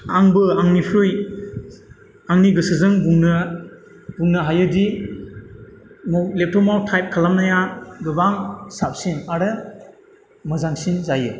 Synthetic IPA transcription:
aŋbɯaŋnipʰɾɯj | aŋniɡɯsɯzɯŋbuŋnɯ | buŋnːɯɦajɯdi | mɔwlep̚tʰɔmawtʰajp̚kʰalamnajaɡɯbaŋsap̚sinaɾɯ | mɯzaŋsinzajɯ

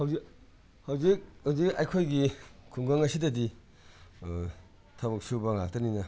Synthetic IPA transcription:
hawzi | hawzik̚hawzik̚ɐjkʰojɡikʰuŋɡaŋɐsidɐdi | tʰabɐk̚subɐŋak̚tɐninɐ

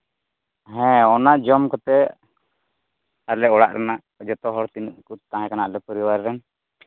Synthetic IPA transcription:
ɦɛ̃ɔnaʔd͡ʒɔmkɔt̪ɛ | alɛɔɽa̰ʔɾanaʔ | d͡ʒɔt̪ɔɦɔɽt̪inuʔkut̪ãɦɛ̃kanaʔlɛpəɾiwaɾɾɛn

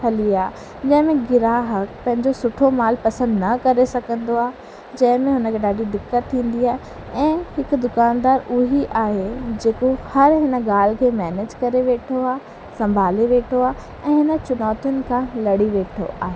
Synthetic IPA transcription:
ɦʰɐliaː | d͡ʑɐ̃ɦɪ̃mẽɡɪɾaːɦəkpɐ̃ɦɪ̃ɲd͡ʑosʊʈʰomaːlpɐsə̃nd̪nɐkɐɾesɐɡʱə̃nd̪oaː | d͡ʑɐ̃ɦɪ̃mẽɦʊnəkʰeːɗaːɖidɪkːət̪t̪ʰːĩːn̆d̪iaːɦe | ɛ̃ːɦɪkd̪ʊkaːnd̪aːɾʊɦiʔaːɦed͡ʑeːkohɐɾɦɪnəɡaːl̤kʰeːmɛːneːd͡ʑkɐɾeʋeːʈʰoaː | sɐ̃mbʱaːleʋeːʈʰoaː | ɛ̃ːɦɪnə̆t͡ɕʊnɔːt̪ijʊnɪ̆kʰãlɐɽiʋeːʈʰo̰ʔaːɦeː

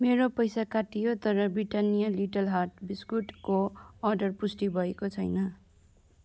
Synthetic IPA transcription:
meɾopʌjsakaʈijot̪ʌɾʌbriʈanijaliʈʌlɦaʈ̚biskuʈkoːɾɖʌrpusʈibʱʌekot͡sʰʌjnʌ

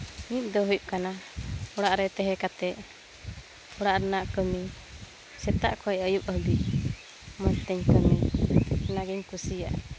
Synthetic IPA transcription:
mit̪̚d̪ɔɦujup̚kanaɔɽaʔɾɛt̪ɛɦɛkat̪ɛʔ | ɔɽaʔɾɛnaʔkəmi | sɛt̪a̰ʔkɔɛəjup̚əhbiʔ | mənt̪ɛɲkəmi | naɡimkusija̰ʔ

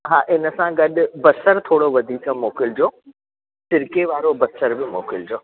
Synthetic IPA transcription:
ɦaːʔɪnə̆sãɡɐɗʊ̆bɐsəɾt̪ʰoːɽoʋɐd̪ʱiːkəmoːkɪld͡ʑoː | sɪɾkeʋaːɾobɐsəɾbɪmo̰ːkɪld͡ʑoː

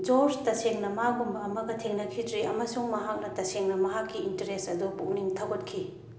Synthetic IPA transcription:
d͡ʒostɐseŋnɐmɐaɡumbɐːmɐɡɐtʰeŋnɐkʰidɾiʔɐmɐsuŋmɐɦak̚nɐtɐseŋnɐmɐɦakːiːntɐɾesɐdupṵk̚niŋtʰɐwɡɐt̚kʰi

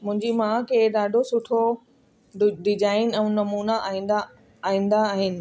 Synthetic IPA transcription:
mʊ̃ɦɪ̃ɲd͡ʑimãkʰeːɗ̪aːɖʱosʊʈʰo | ɖɪd͡ʑaːɪnɪ̆ɛ̃ũnɐmuːnaʔːɦĩːnd̪aː | ɦĩːn̆d̪aːɦɪnɪ̆

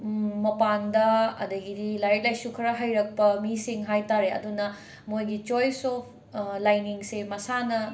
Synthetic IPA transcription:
mɐpandɐɐ̰dɐɡidilaɾek̚lajsukʰɐɾɐɦɐjɾɐk̚pɐmisiŋɦajtaɾeɐ̰dunɐ | mojɡit͡ʃojsɔp̚ʰ | lajniŋsemɐsanɐ

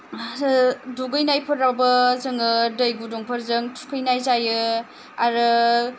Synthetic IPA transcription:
duɡɯjnajpʰɯɾːawbɐzɯŋɯdəjɡudɔŋpʰɯɾzɯŋtʰu̥kʰɯjnajzajɯ | aɾɯ

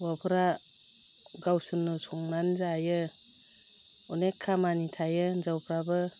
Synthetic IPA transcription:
wapʰɯɾa | ɡawsɯnːɯsɔŋnanzajɯ | ɔnekʰːamanitʰajɯnzawpʰɾabɯ

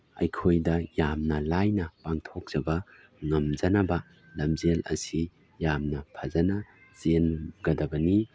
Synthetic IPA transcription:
ɐ̰jkʰojdɐjamnɐlajnɐpaŋtʰok̚z̥ɐbɐ | ŋɐmd͡ʒɐnɐbɐ | lɐmzelɐ̰si | jamnɐpʰɐzɐnɐ | zenɡɐdɐbɐni

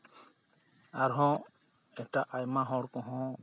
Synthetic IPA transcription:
aɾɦɔ̃ | ɛkʈaʔajmaɦɔɽkɔ̃ɦɔ̃

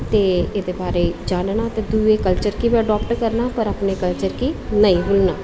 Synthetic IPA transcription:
t̪eːeːd̪eːbaːɾeːd͡ʒaːnnaːt̪eːd̪uːekəlt͡ʃəɾkiʋiəɖɔːpʈkəɾnaːpəɾapneːkəlt͡ʃəɾkiːnəĩːɦʊlnaː

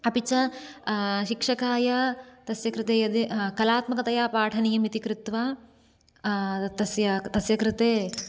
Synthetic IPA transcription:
ɐpit͡ʃɐ | ʃikʂɐkaːjɐt̪ɐsjɐkɾɪt̪eːjɐd̪ikɐlaːt̪mɐkɐt̪ɐjaːpaːʈʰɐnijɐmit̪ikɾɪt̪ʋɐ | t̪ɐsjɐt̪ɐsjɐkɾɪt̪eː

